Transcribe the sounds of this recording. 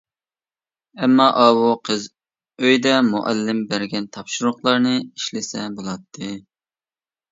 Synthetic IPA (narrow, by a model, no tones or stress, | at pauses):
ɛmːɑʔɑwuqʰəz | øjd̪ɛmuʔælːɪmbæɾɡʲɛnt̪ʰɑpʃʊɾʊχlˠɑɾnɨiʃlɪsɛbolˠɑt̪ʰːɨ